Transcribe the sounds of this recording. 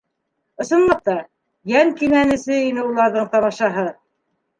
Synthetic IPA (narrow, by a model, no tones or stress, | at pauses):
ŏsŏnlˠɤq̚t̪ɑ | jæŋkimænɘ̆sɘinɘulˠɑɾðɤɴt̪ɑmɑʃɑɦɤ